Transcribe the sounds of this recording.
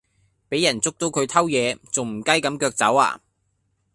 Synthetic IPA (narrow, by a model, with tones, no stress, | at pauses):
pe˨˥jɐ˨˩nt͡sʊ˥k̚t̪o˨˥wkʰɵ˨˧ɥt̪ʰɐ˥wjɛː˨˧t͡so˨wm̩˨˩kɐ˥jkɐ˨˥mkœː˧k̚t͡sɐ̰˨˥wa̰ː˧